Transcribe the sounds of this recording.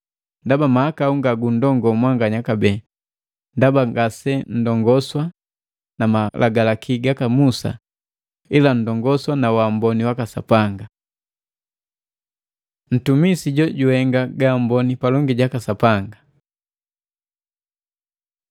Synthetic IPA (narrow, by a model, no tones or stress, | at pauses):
ndabamahakauŋɡaɡun̩dɔŋɡɔmwaŋɡaɲakabɛ | ndabaŋɡasɛn̩dɔŋɡɔswa | namalʔaɡalakʰiɡakamusa̰ | ilan̩dɔŋɡɔswanawambɔniwakasa̰paŋɡa | n̩tumisiɟɔɟuhɛŋɡaɡam̩bɔnipalɔŋɡiɟakasapaŋɡa